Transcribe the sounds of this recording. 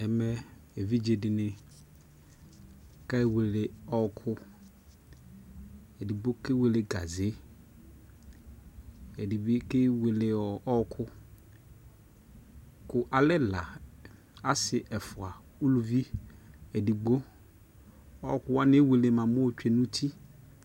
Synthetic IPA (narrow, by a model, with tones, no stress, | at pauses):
ɛ˨mɛ˦e˨vi˦d͡ʒe˨dɪ˨nɪ̃˨ | ka˦we˨lɪ˨ɔ˦kʰʊ˦ | ɛ˨di˨ɡ͡bo˦kɪ˦we˨lɪ˨ɡa̰˨zɪ˨˦ | e˨di˨bɪ˦kɪ˦we˨lɪ˨ɔ˨ɔ˦kʰʊ˦ | kʊ˨ʔa˨lɪ˦la̰˨ | a˦sɪ˨ʔɛ˨fʊ˨a˨ | u˦lu˨vi˦e˨di˨ɡ͡bo˦ | ɔ˦kʊ˦wa˦nɪ˦we˨le˨mã˨mʊ̃˦o˨t͡ʃᶣe˨nũ˦tʰi˦